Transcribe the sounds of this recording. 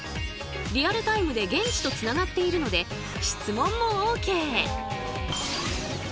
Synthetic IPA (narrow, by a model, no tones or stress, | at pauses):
ɾʲiaɾɯ̟t̪aimɯ̟d̪e̞ɡẽ̞ɲ̟t͡ɕi̥t̪o̞t͡sɨnaɡat̪ːe̞iɾɯ̟no̞d̪e̞ | ɕi̥t͡sɨmõ̞mːo̞oːke̞ː